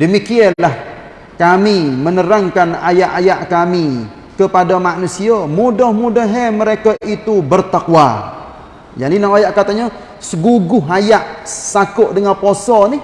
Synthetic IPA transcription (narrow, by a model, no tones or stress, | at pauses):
dəmikianlah | kamimənəɾaŋkana̰jaʔajaʔkami | kəpadamanusiamudɔhmudaɦeməɾekaʔit̪ubərt̪akwa | janinaajaʔkat̪aɲa | səɡuɡʊɦajaʔsakʊʔdəŋanposɔnih